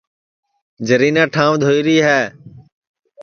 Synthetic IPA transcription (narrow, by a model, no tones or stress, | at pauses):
d͡ʒəɾiːnãːʈʰãːʋd̪ʱoːiːɾiːɦɛː